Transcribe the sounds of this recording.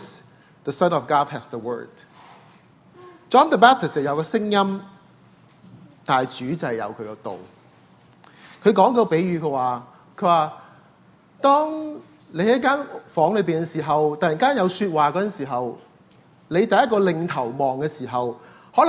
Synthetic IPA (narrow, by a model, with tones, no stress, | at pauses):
s | ðə˨sɐ˥nɔ˨fɡɔː˥d̚ɦɛ˨sðə˨wɜ̰ː˥˩d | t͡ʃɔː˥nðə˨mɛː˥t̪ʰɪ˨sjɐ˨˩jɐ˨˧wkɔː˧sɪ˥ŋjɐ˥m | t̪aː˨jt͡ʃyː˨˥t͡sɐ˨jɐ̰˨˧wkʰɵ˨˧ɥkɛ˧t̪o̰˨w | kʰɵ˨˧ɥkɔː˨˥ŋkɔː˧pe˨˥jjyː˨˧kʰɵ˧ɥwaː˨ | kʰɵ˨˧˥ɥwaː˨ | t̪ɔː˥ŋ | le˨˧jhɐ˥˨jkaː˥nfɔː˨˥ŋlɵ˨˧ɥpi˨nkɛ˧˥siː˨˩ɦɐ˨wt̪ɐ˨jiː˨˩nkaː˥njɐ˨˧wsyː˧t̚waː˨kɔ˨˥ɐ˥˨nsiː˨˩ɦɐ˨w | le˨˧jt̪ɐ˨jɐ˥t̚kːɔː˧lɪ˨˧ŋt̪ʰɐ˨˩wmɔː˨ŋkɛː˧siː˨˩ɦɐ˨w | hɔː˨˥l